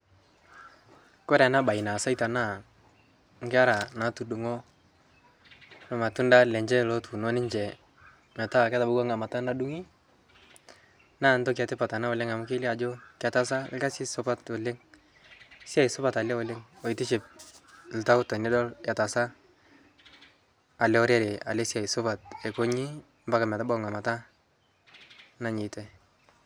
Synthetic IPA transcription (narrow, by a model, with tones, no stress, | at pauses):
ko˦ɾɛ˨na˦ba˨i˨na˨sa˦jta˨na˦˨ | ŋ̩˦kɪ˦a˦ɾa˨na˨˦tu˨du˨ŋo˦ | no˨ma˨tu˦nda˦lɛ˨ɲd͡ʒɛ˦lo˦tu˨no˦nɪ˦ɲd͡ʒɛ˨ | ma˨ta˦˨kɛ˦ta˨bʊ˦ɡa˦ŋa˨ma˨ta˦na˦du˦ŋi˦ | na˦˨n˦tɔ˦k̬a˨tɪ˦pa˨ta˨na˦o˨lɪ˦ŋa˨m˨˦kɪ˦li˦a˨d͡ʒo˦ka˨ta˦s̬a˦lɪ˦ka˦sɪ˦sʊ˦pa˦to˨lɪ˦ŋ | sja˨i˨sʊ˦pa˨ta˨ljɛ˦ʊ˨le˦ŋo˨ɪ˨tɪ˦ʃɪ˨p̚l̩˨ta˦ʊ˦tɔ˨nɪ˦dɔ˦lja˨ta˨sa˦ | a˨lɛ˦ɔ˦ɾja˦ɾe˨a̰˨le˦sja˨i˨sʊ˦pa˨t̚ɛ˨ko˦ɲi˦ | mba˦ka˨mɛ˨ta˦bɔ˦ŋa˨ma˨ta˦ | na˦ɲɪ˨tɛ˦